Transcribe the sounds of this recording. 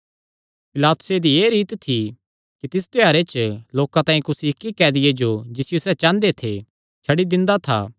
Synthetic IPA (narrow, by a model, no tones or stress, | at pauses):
pɪlaːt̪ʊ̥sed̪ieːɾiːt̪t̪ʰi | kit̪ɪst̪jaːɾet͡ʃloːkãt̪ãːĩkʊsiɪkːikɛːd̪ɪjed͡ʒod͡ʒɪsɪjosɛt͡ʃãːnd̪et̪ʰe | t͡ʃʰɐɽid̪ɪ̃nd̪at̪ʰa̰ː